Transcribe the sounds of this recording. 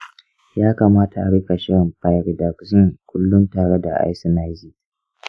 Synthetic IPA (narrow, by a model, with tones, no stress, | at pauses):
jaː˦kaː˨maː˦tʰa˨ʔa˨ɽɪ˦ka˨ʃɪ˦ɽɪ˨mpa˨jɾda˨kzɪ˦˨ŋkʷʊ˦lːʊ˦ntaː˨ɽe˦da˨ʔa̰˦jsi˦na˦˨jzi˦